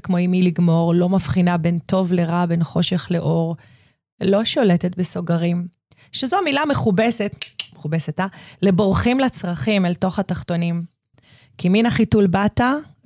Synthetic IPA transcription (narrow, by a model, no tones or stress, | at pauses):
kmoimiliɡmo̞ʁlo̞mafχinabe̞nto̞vle̞ʁabe̞nχo̞ʃe̞χleʔo̞ʁ | lo̞ʃo̞letetbeso̞ɡaʁim | ʃezomilameχubesetmeχubesetaleboʁχimlat͡sʁaχimelto̞χataχto̞nim | kiminaχitulbata